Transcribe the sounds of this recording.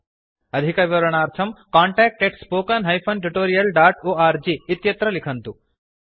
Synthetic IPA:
ɐd̪ʱikɐʋʋɐɾɐɳ̃aːɾt̪ʰɐmkaːɳʈɛːk̚ʈeʈspoːkɐnɦɐjpʰɐnʈ̬uʈoːɾijɐlɖaːʈoːaːɾd͡ʒiːt̪jɐt̪ɾɐlikʰɐnt̪u

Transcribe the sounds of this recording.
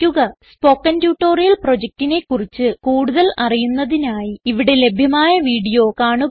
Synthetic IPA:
kʲːuɣɐspo̞ːkːɐntjuːʈːo̞ːrijɐlpro̞d͡ʑek̚tine̞kːurit͡ɕːɨkuːɽuðɐlɐrijunːɐðinaːjiːʋiɽe̞le̞bʱjɐmaːjɐʋiːɽijo̞ːkaːɳu

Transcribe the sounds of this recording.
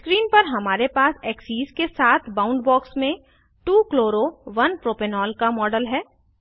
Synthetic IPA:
skɾiːnpɐɾɦɐmaːɾepaːsɛːksiːzkesaːt̪ʰbãːʊ̃ɳɖbɔːksmẽ | ʈuːkloːɾoʋɐnpɾoːpenɔːlkamɔːɖəlɦɛː

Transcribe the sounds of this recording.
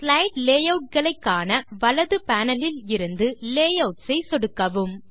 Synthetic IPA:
plɐɪʈleːjɐʊʈ̚ɡɐɭɐɪkːaːnɐʋɐɭɐðɯpaːnɐlɪlɪɾɯnd̪ɯleːjɐʊʈsɐɪsɔɽɯkːɐʋɯm

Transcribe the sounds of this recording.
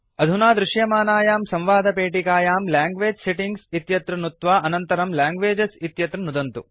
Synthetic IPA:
ɐd̪ʱunaːd̪ɾuʃjɐmaːnaːjaːmsɐ̃mʋaːd̪ʱɐpeːʈikaːjaːmlaːŋɡʋeːd͡ʒseʈiŋɡsit̪jɐt̪ɾɐnut̪ʋaːʔɐnɐnt̪ɐɾɐmlaːŋɡʋeːd͡ʒɐsit̪jɐt̪ɾɐnud̪ɐnt̪ṵ

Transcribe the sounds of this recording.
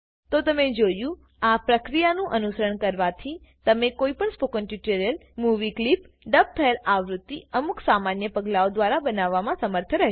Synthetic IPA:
t̪ot̪əmed͡ʒojũ | apɾəkɾijanũʔənusəɾəɳkəɾʋat̪ʰit̪əmekoipəɳspokənʈuʈoɾijəlmuʋiklip | ɖəb̚t̪ʰəelaʋɾut̪ːiəmuksamanjəpəɡlaod̪ʋaɾabənaʋːamãsəməɾt̪ʰəɾəɦ

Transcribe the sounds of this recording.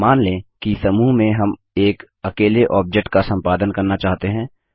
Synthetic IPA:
maːnlẽːkisɐmuːɦmẽɦɐm | eːk | ɐkeːleʔɔːp̚d͡ʒek̚ʈkasɐ̃mpaːd̪ənkɐɾnat͡ʃaːɦt̪eɦɛ̃ː

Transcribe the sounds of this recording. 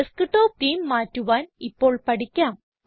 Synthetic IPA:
ɨskɨʈːoːp̚t̪iːmːaːtːuʋaːnipːo̞ːɭpɐʈikʲːaːm

